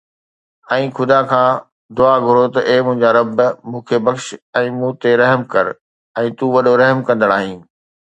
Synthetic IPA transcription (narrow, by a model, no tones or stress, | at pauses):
ɛ̃ːxʰʊd̪akʰãː | d̪ʊaːɡʱʊɾot̪ɐʔeːmʊ̃ɦɪ̃ɲd͡ʑaɾɐbmũːkʰebɐkʃɛ̃ːmũːt̪eɾɐɦmkɐɾ | ɛ̃ːt̪ũːʋɐɗoɾɐɦmkɐ̃nd̪əɽ̃aːɦĩː